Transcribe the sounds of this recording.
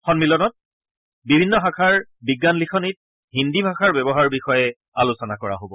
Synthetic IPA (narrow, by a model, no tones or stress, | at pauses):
xɔnmilɔnɔt̚ | bibʱinːɔɦãkʰaɹbiɡːanlixʰɔnit̚ | ɦindibʱakʰaɹbɛbɔɦaɹbixɔjɛ | alusɔnakɔɹa̰ɦobɔ